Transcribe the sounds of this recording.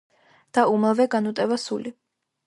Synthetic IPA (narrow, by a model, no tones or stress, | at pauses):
d̪̥aumavɛɡanut̪ʼɛvasuli